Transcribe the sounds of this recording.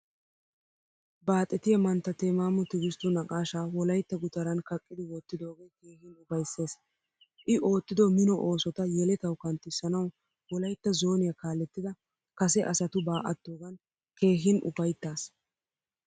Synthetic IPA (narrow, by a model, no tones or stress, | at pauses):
baːt̪ʼːɛt̪ɪjɐmɐnt̪ːɐt̪ɛmaːmɔt̪ɪɡɪst̪ːʊnɐkʼaːʃaːwɔlɐjt̪ːɐɡʊt̪ɐɾɐnkɐkʼːɪd̪ɪwɔt̪ːɪd̪o̞ːɡe̞ːjke̞ːhɪnʊbɐjsːe̞ːs | ʔɪʔo̞ːt̪ːɪd̪omɪnɔʔo̞ːsɔt̪ɐjɛlɛt̪ɐwkɐnt̪ːɪsːɐnɐw | wɔlɐjt̪ːɐzo̞ːnɪjɐkaːlɛt̪ːɪd̪ɐ | kɐsɛʔɐsɐt̪ʊbaːʔɐt̪ːoːɡɐn | ke̞ːɦɪnʊ̰bɐjt̪ːaːs